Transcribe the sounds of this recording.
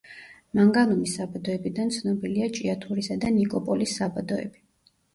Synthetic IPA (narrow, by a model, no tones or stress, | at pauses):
maŋɡalɔmisːabad̪ɔɛbid̪ant̪sʰnɔbiliat͡ʃʼiat̪ʰuɾisad̪anikʼɔpʼɔlisːabad̪ɔɛ̰bi̥